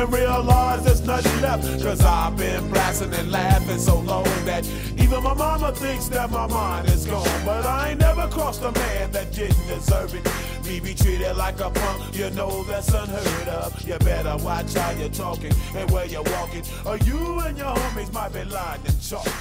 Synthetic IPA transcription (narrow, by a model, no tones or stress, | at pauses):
ɨ̃nɹiəlaɪzɨtsnʌɾɨlɛfkʰʌzaɪvbɪ̃nblæsɪ̃ŋɨ̃nlæfɪ̃nsoʊloʊɪ̃ŋðɨɾ | ivə̃nmaɪmɑməθɪ̃ŋksðɨt̚maɪmãɪ̃ndɨzɡɔʊɪ̃ŋbʌɾaɪnɛvə˞kʰɹ̥ɔsəmæ̃nðɨt̚d̥ɪdⁿn̩dɨzɜ˞vɪ̃ŋ | mibitʰɹ̥iɾɪdˡlaɪkəbʰʌ̃ | jə˞noʊðɨtsʌ̃nɦɜ˞ɾʌvjə˞bɛɾə˞watʰajə˞tʰɔkɪ̃ŋɨ̃nwəjə˞wɔkɪ̃ŋ | ə˞jɨə̃njə˞hõmizmaɪt̚b̥ilaɪɪ̃ŋɨ̃nt͡ʃɔ